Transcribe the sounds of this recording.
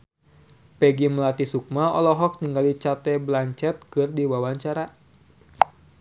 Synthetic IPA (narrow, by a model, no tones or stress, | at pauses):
pɛɡiməlat̪isuk̚maɔlɔɦɔk̚niŋɡalit͡ʃat̪ɛblaɲt͡ʃɛt̪̚kɨrdiwawaɲt͡ʃaɾa